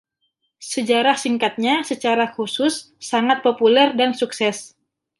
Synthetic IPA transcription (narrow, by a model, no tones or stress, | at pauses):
səd͡ʒaɾahsiŋkat̪̚ɲasət͡ʃaɾakusʊsː | aŋat̪̚populɛrdansuksɛs